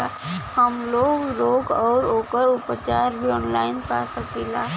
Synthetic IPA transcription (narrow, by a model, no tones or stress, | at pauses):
ahəmloːɡɾoːɡɔːɾoːkəɾʊpt͡ʃaːɾbʱiɔːnlaːɪnpa̰ːsəkiːlaː